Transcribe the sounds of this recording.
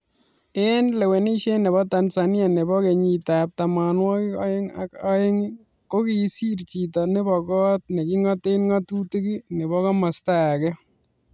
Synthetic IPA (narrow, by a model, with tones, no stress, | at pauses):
ɛ˦nlɛ˨we˨ni˦ʃe˦nɛ˨bɔ˦ta˨nsa˨nja˨nɛ˨bɔ˦ke˨ɲi˨tap̚ta˨ma˨nwɔ˦ki˦a̰˦e˦ŋa̰˦ka˦e˦ŋ | ko˦ki˨si˦ɾt͡ʃi˨tɔ˨nɛ˦bɔ˨kɔ˦t̚ne˨ki˦ŋɔ˦te˦nŋa˦tu˦ti˦ki˦nɛ˨βɔ˦kɔ˦ma˨staː˦˨kɛ˦